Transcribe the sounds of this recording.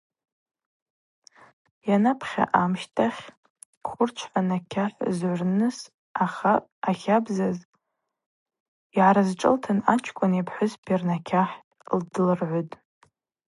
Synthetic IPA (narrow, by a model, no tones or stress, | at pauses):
janapʰχʲa̰ʔamʃtʰʼaχʲ | χʷʰʊrt͡ʃʷʰħanakʲʰaħʷzʕʷʊrnɨs | aχaː | χʲabzaz | iʕaɾazʈ͡ʂʼɨ̰ltʰanat͡ʃʷʰkʷʼʊnipʰħʷʊzpʰirnakʲʰaħʼldɨlrʕʷʊtʼ